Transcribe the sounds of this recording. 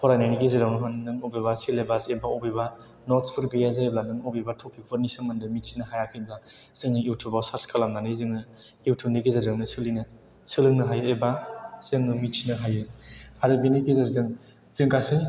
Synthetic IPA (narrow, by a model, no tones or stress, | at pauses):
pʰɔɾanajniɡezeɾawnɯɦɯnnɯŋobebasilebasebaobeba | nɔtspʰɯɾɡɯjazablanɯŋobebatʰɔpʰik̚pʰɯɾnisamɯndɯmitsinɯɦajakʰɯjbla | z̥ɯŋnɯjuwtʰubawsaɾskʰalamnanɯzɯŋɯ | uwtʰuniɡezadɯŋnɯsɯlinɯ | sɯlɯŋnɯɦajɯebaz̥ɯŋnumitʰinɯɦajɯaɾɯbiniɡezaɾzɯŋ | z̥ɯŋkasɯ